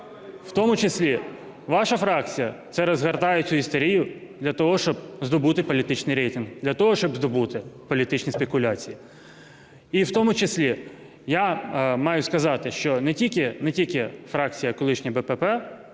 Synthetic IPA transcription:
w̥t̪ɔmʊt͡ʃesʲlʲi | ʋɑʃɐfɾɑk̚t͡sʲijɐt̪sɛɾɐzɦɐrt̪ɑjet͡sʲʊist̪ɔɾʲijʊd̪lʲɐt̪ɔɦɔʃt͡ʃɔb̚zd̪ɔbut̪ɪpɔlʲit̪ɪt͡ʃnɪjɾɛjt̪ɪnɦd̪lʲɐt̪ɔɦɔʃt͡ʃɔbzd̪ɔbut̪ɪpɔlʲit̪ɪt͡ʃnʲispʲe̞kʊlʲat͡sʲiji | iwt̪ɔmʊt͡ʃesʲlʲi | jamɑjʊskɐzɑt̪ɪʃt͡ʃɔnɛtʲikʲɪnɛtʲilʲkʲɪfɾɑkt͡sʲijɐkɔlˠɪʃnʲibɛpɛpɛ

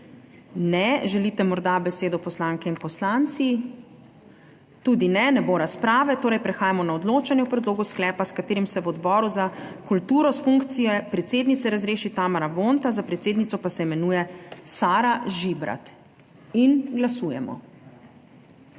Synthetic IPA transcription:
nɛʒɛlit̪ɛmɔɾd̪abɛseːd̪ɔpɔslaːŋkɛinpɔslant̪si | t̪uːd̪inɛnɛboːɾaspɾaːʋɛt̪oːɾɛjpɾɛxaːjamɔnaɔd̪loːt͡ʃanjɛwpɾɛd̪loːɡusklɛːpaskat̪eːɾimsɛwɔd̪bɔːɾuzakult̪uːɾɔsfuŋkt̪sijɛpɾɛt̪seːd̪nit̪sɛɾazɾeːʃit̪aːmaɾaʋont̪azapɾɛt̪seːd̪nit̪sɔpasɛɛmɛnuːjɛsaːɾaʒibɾa̰t̪ | inɡlasuːjɛ̰mɔ̰

